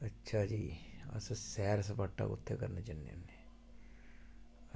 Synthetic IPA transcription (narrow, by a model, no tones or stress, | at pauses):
ətːʃʰaːd͡ʒiːə̰ssɛːɾsəpaːʈːa̰ːkʊ̰t̪ʰːeːkəɾnat͡ʃənːḛneː